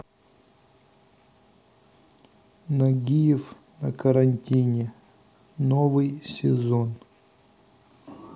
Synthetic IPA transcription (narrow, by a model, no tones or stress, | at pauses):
nɐɡʲijɪf | nɐkɐɾɐnʲtʲinʲe | novɨjsʲɪzon